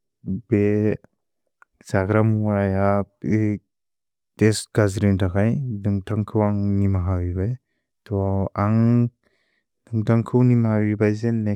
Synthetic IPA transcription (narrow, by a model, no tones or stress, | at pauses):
be | zaɡɾamuaja | tesɡ̥azɾimtʰakajdɯŋtʰaŋkʰɯwaŋnimaɦawibaj | tʰɔaŋ | dɯŋtʰaŋkʰɯwnimaɦawibajzene